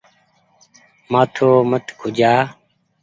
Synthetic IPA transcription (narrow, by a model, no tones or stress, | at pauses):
maːt̪ʰoːmət̪kʰʊd͡ʒaː